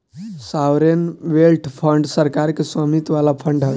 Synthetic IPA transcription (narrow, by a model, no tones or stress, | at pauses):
sawɾenʋelʈʰpʰəɳɖsəɾkaɾkesəmit̪ʋalapʰəɳɖɦə